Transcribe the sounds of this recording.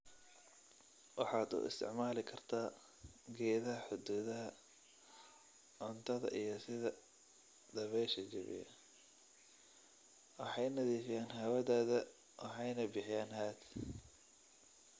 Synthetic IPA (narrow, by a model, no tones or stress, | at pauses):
wɑ̰ħɑːd̪ṵːɪ̰st̪ʰɪ̰ʕmaːlɪkʰɐrt̪ʰaː | ɡɛːðɐɦɐħʊd̪uːðɐɦɐ | ʕʊnt̪ʰɐðɐ̰ʔijɞsɪðɐ | d̪̥ɐβɛjʃɐd͡ʒɐ̰βɪ̰jɐ̰ | wɑħɑjnɐðiːfɪjaːnɦɐwɐðaːðɐ | wʔɑħɑjnɐbɪħɪjaːnɦaːt̪ʰ